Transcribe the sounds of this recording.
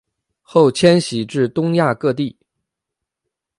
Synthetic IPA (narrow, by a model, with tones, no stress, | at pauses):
xo˥˩ʊt͡ɕʰjɛ˥nɕi˨˥ʈ͡ʂɻ̩˥˩t̪ʊ˥ŋja˥˧kɤ˥˧t̪̬i˥˩